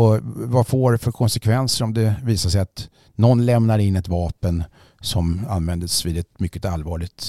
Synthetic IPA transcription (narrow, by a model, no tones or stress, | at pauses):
ɔvafoɾfœɾkʰɔnsɛkʰvɛnsəɾɔmd̪ɛviːsaʂɛjat̪ | nɔnːlɛmnaɾɪnːɛt̪vɑːpən | sɔmanːvɛnd̪əsviːd̪ɛt̪mʏkːət̪alvɑːɭɪɡt̪